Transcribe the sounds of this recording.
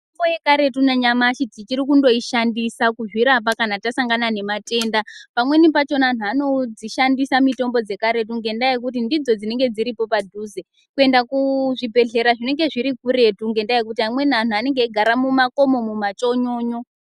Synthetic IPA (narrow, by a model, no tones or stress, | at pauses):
tombojekaɾe̞tunaɲamaʃitit͡ʃiɾikundo̞iʃandisakuʐwiɾap̬akanatasaŋɡanane̞mate̞ndapamwe̞nipat͡ʃo̞naːn̤uano̞d͡ziʃandisamito̞mbo̞d͡ze̞kaɾe̞t̬uŋɡe̞ndajek̬ut̬indid͡zo̞d͡zine̞ŋɡe̞d͡ziɾipo̞padʱuːze | kue̞ndakuʐibʱe̞ɮe̞ɾaʐine̞ŋɡe̞ʐiɾikuɾe̞tuŋɡe̞ndajek̬utiamwe̞nian̤uane̞ŋɡeiɡʱaɾamumako̞mo̞mumat͡ʃo̞ɲo̞ːɲo̞